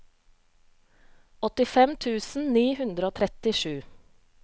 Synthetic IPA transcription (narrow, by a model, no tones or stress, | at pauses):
ɔt̪ɪfɛmt̪ʰʉːsn̩niːhʉnd̪ɾəoːt̪ʰɾɛt̪ɪʃʉː